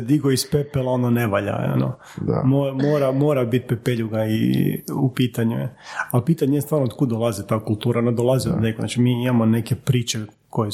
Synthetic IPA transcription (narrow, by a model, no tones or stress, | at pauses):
d̪iɡoispepelaononeʋaʎa̰o̰no̰ | momoːɾamoːɾabit̪̚pepeʎuɡaḭupiːt̪aɲuɛ̰alpiːt̪aɲeest̪ʋaːɾnood̪̚kud̪olˠazit̪aːkulˠt̪uːɾanod̪olˠaziod̪nekona̰t͡ʃimiimamone̞kepɾiːt͡ʃe | koje